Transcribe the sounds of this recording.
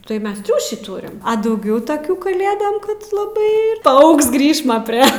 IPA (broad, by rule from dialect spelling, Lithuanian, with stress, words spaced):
tɐɪ ˈmʲɛs ˈtʲrʲuːʃʲiː ˈtuːrʲɪm dɐʊˈɡʲɛʊ tɐˈkʲuː kɐˈlʲeːdɐm ˈkɐt lˠɐˈbɐɪ pɐˈɐʊks ˈɡrʲiːʃmɐ pʲrʲiɛ